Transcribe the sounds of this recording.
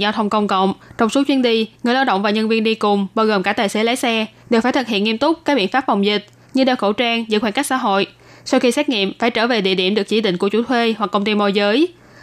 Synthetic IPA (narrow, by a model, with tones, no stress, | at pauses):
za˧t̪ʰə˧wŋ͡mkə˧wŋ͡mkə̰˧˨wŋ͡mt͡ɕɔ˧wŋ͡mso˨˦t͡ɕwi˨˧˦ənɗi˧ŋɨ˨˩əjlaː˧wɗə̰˧˨wŋ͡mvaː˨˩ɲə˧nvi˧ənɗi˧kʊ˨˩ŋ͡mɓaː˧wɣoː˨˩mkaː˧˩t̪aː˨˩jse˨˦laː˨˦jsɛ˧ɗe˨˩wfaː˧˩jt̪ʰɨ˨˩t̚hḭ˧˨əŋi˧əmt̪ʊ˦˥k͡p̚kaː˦˥k̚ɓḭ˧˨ənfaː˦˥p̚va˨˩wŋ͡mzï˨˩k̟̚ | ɲɨ˧ɗe˧˩wxo˧˩t͡ɕaː˧ŋzɨ̰˧˥xwaː˧˩nka˦˥k̚sa̰ː˧˦ɦo̰˧˨j | sa˧wxi˧sɛ˦˥t̚ŋḭ˧˨mfaː˧˩jt͡ɕəː˧˩ve˨˩ɗḭ˧˨əɗḭ˧˩əmɗɨ˨˩ək̚t͡ɕḭ˧˩ɗï˧˨ŋ̟ku˧˩ət͡ɕu˧˩t̪ʰwe˧wa˨˩k̚ːə˧wŋ͡mt̪i˧mo˧jzəː˨˦j